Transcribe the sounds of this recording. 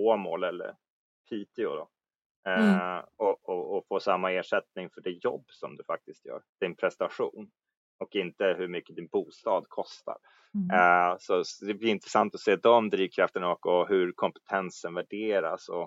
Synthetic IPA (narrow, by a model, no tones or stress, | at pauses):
foːmoːlɛlːə̰ɾ | pʰiːt̪ʰɪʊd̪ɔ̰ | ɔɔːfoːsamːaeːʂɛt̪nɪŋfœɖɪt̪jɔ̰bːsɔmd̪ɵfak̚t̪ɪst̪jœ̰ːɾd̪̥ɪnpʰɾɛst̪aɧṵːn | ɔkɪnt̪əɦɵɾmʏkːəd̪ɪnbuːst̪ɑːd̪kʰɔst̪ʰa̰ɾ | sɔd̪ɛblɪɾɪnt̪ɾɛsant̪ɔseːd̪ɔmd̪ɾiːvkʰɾaft̪əɳaɔkːɔɦɵɾkʰɔmpɛ̥t̪ʰɛnsənvæɖeːɾa̰sɔ